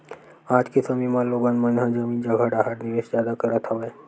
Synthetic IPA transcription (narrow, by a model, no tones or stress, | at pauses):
ãd͡ʒkisəmimaloɡanmənɦəd͡ʒəmiːnd͡ʒəɡʱəɽaɦaɾniʋeʃzjad̪akəɾət̪ɦəʋe